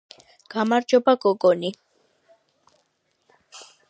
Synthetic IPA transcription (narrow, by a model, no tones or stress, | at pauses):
ɡ̥amaɾd͡ʒɔbaɡɔɡɔni